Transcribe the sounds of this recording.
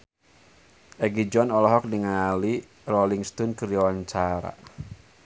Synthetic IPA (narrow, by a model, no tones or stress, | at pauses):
ʔɛɡid͡ʒɔnɔlɔɦɔk̚diŋali | rɔliŋst̪unkəɾiawaɲt͡ʃaɾa̰